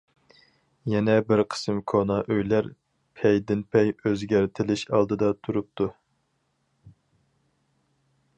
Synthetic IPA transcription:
jɛnɛbɪɾqʰə̥sɨmkʰonɑʔøjlæɾ | pʰɛjd̪ɪnpʰɛjøzɡʲæɾt̪ʰɪlɪʃɑ̰lˠd̪ɨd̪ɑt̪ʰuɾup̚t̪ʰu

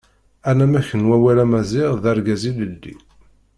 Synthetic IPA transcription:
ænæmæçənwæwælæmæzɪʁðæɾɡæziləlːḭ

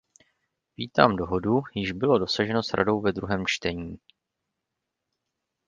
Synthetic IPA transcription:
viːt̪aːmdo̞ɦo̞dujɪʒbɪlo̞do̞saʒɛno̞sɾʔa̰do̞wvɛd̪ɾuɦɛːmt͡ʃt̪ɛɲiː

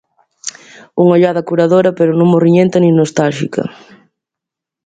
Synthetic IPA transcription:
uŋoʎaðɐkuɾaðoɾɐpeɾonõŋmoriɲẽnt̪ɐnĩŋnost̪alʃikɐ̰

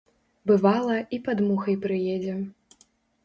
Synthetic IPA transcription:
bɨvalˠɐipad̪muxɐjpɾɨjɛd͡zʲɛ

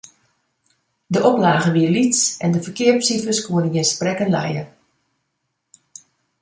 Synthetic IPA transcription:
dəʔɔplaːɣəʋiəlitsɛndəfərkɪəɹpsifəskuənəɡɪnsprɛkənlɛ̰jə

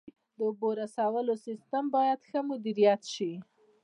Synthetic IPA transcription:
d̪əboɾasɑwəlosɪst̪ambɑjad̪xəmʊd̪iɾijat̪ʃi

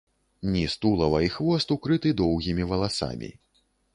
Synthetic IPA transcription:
nʲist̪ulˠɐvɐixvɔst̪ukɾɨt̪ɨd̪ɔwɣʲimʲivɐlˠasa̰mʲḭ

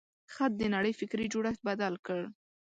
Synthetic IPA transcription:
xat̪̚d̪ənaɽəjfɪkɾid͡ʒoɽaxt̪̚bad̪alkəɽ

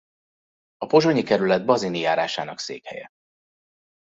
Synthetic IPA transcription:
ɒpo̞ʒo̞ɲikɛɾylɛd̪̚bɒzinijaːɾaːʃaːnɒksḛːkhɛ̰jɛ̰

